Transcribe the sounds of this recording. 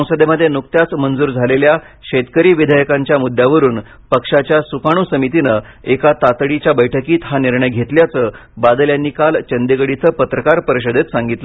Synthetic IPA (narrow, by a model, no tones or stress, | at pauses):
ə̃w̃səd̪eməd̪ʱjenukt̪jat͡smənd͡zuːɾd͡zʱalelja | ɕet̪kəɾiːʋid̪ʱajəkãɲt͡ɕjamud̪jaʋəɾuːn | pəkʂat͡ɕjasukaɽ̃uːsəmit̪inə | ekat̪at̪ɽit͡ɕjabəjʈʰəkiːt̪ɦaniɾɳəjɡʱet̪ljat͡sə | bad̪ljanːiːkalt͡ɕənd̪ekəɽit͡səːpət̪ɾəkaɾpəɾəɕəd̪ʱet̪sãŋɡit̪lə